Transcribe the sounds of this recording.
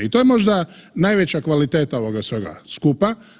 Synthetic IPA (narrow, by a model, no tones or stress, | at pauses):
it̪o̞jemo̞ʒd̪anajʋet͡ɕakʋalit̪e̞ːt̪ao̞ʋoɡasʋeɡa̰skupa